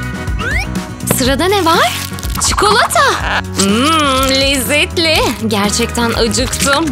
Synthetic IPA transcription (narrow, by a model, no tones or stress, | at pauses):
sɯɾad̪anɛvaɾ̥ | t͡ʃʰɯkʰo̞lˠat̪ʰa | lʲɛzːɛt̪lʲɛɟæɾt͡ʃʰɛc̚t̪ʰænʔad͡ʒɯkt̪ʰɯm